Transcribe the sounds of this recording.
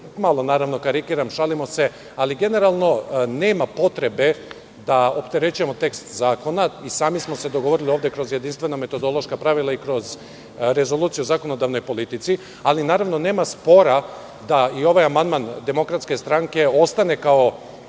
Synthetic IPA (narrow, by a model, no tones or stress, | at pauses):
malˠo̞naːɾaʋno̞kaɾikiːɾamʃalimo̞se̞ | aliɡe̞ne̞ɾalˠno̞neːmapo̞t̪ɾe̞be̞ | d̪aopt̪e̞ɾe̞t͡ʃuje̞mo̞t̪e̞kst̪zaːko̞naisaːmismo̞sed̪oɡoʋoɾilio̞ːvd̪ekɾo̞zjed̪inst̪ʋe̞nome̞t̪o̞d̪o̞lˠo̞ʃkapɾaʋilˠaikɾo̞z | ɾe̞zo̞lˠuːt̪sijuozako̞no̞d̪aʋno̞jpo̞lit̪it̪si | alinaːɾaʋno̞neːmaspo̞ɾa | d̪aio̞ʋajamand̪mand̪e̞mo̞kɾat̪ske̞st̪ɾaŋke̞o̞st̪ane̞kao̞